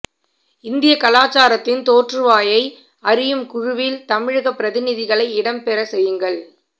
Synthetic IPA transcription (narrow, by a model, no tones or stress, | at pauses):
ɪnd̪ɪjɐkɐlaːt͡ʃːaːɾɐt̪ːɪnt̪oːʈrɯʋaːjɐɪ | ɐɾɪjɯmkʊɻʊʋɪlt̪ɐmɪɻɯɣɐpːɪɾɐðɪnɪðɪɣɐɭɐɪɪɽɐmpɛɾɐsɛjːɯŋɡɐɭ